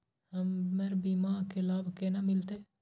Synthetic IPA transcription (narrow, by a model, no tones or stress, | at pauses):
həmmeɾbimaːɾkelaːbʱkenamɪlt̪eː